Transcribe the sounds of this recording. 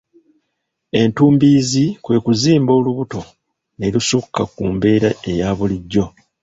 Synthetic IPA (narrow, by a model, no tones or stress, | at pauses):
e̞ntuːmbiːzikwe̞ːkuziːmbo̞ːluβuto̞ | ne̞lusukːakuːmbe̞ːɾae̞jaːβuliɟːo̞